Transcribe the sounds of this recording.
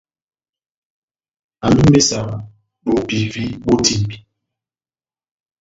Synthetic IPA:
a˨nu˦me˦sa˨m˨ | ɓo˨pi˨vi˦ɓo˦tʰi˨m˨bi˨

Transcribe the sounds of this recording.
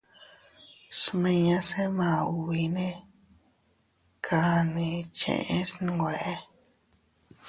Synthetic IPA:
smẽ˧ɲã˦se˦mã˨u˨βi˧˦nẽ˦ | kʰa˧nĩ˨t͡ʃḛ̃˧˨ʔẽ˦sn˧ŋɡʷe˨ʔe˦

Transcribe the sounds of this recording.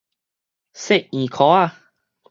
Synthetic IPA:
se˥˨ʔ̚ĩ˨kʰɔ˨˦a˥˧˨

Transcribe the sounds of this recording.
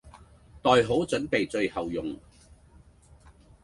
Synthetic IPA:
t̪ɔː˨jɦo˨˥wt͡sɵ˨˥npe˨jt͡sɵ˧ɥhɐ˨wjʊ˨ŋ

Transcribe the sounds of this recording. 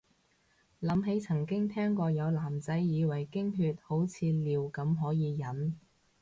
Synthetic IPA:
lɐ˨˥mɦe˨˥jt͡sʰɐ˨˩ŋkɪ˥ŋt̪ʰɛː˥ŋkɔː˧jɐ˨˧wlaː˨˩mt͡sɐ˨˥jjiː˨˧wɐ˨˩jkɪ˥ŋɦyː˧t̚ho˨˥wt͡sʰiː˨˧liː˨˩wkɐ˨˧˥mɦɔː˨˥jiː˨˧jɐ˨˥n

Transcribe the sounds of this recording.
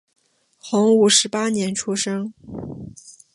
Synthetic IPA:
xʊ˧˥ŋu˨˩ʂɻ̩˧˥pa˥njɛ˧˥nʈ͡ʂʰu˥ʂɤ˥ŋ

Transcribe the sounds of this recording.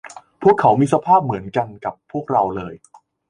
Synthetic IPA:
pʰu˥˩əkʰːa˩˥wmiː˧sa˧pʰaː˥˩p̚mɯ˩˦ənka˧nka˨˩pʰːu˥˩ək̚ɾa˧wlɤː˧j

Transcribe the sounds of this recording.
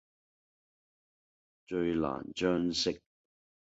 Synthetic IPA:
t͡ʃɵ˧ɥla̰ː˨˩nt͡ʃœː˥ŋsɪ˥k̚

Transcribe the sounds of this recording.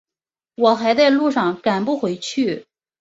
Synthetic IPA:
wɔ˨˩xa˧˥ɪt͡sa˥˧ɪlu˥˧ʂɑ˥˩ŋka˨˩npu˥˩xwe˧˥ɪt͡ɕʰy˥˩

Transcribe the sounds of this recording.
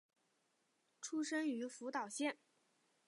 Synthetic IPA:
ʈ͡ʂʰu˥ʂə˥ŋy˧˥fu˧˥t̪ɑ˨˩ʊɕjɛ˥˩n

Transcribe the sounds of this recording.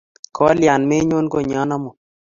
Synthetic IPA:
kʰɔ˦lja˨nme˦ɲo˦nɡo˦ɲɔ˦nɔ˦mɔ˨

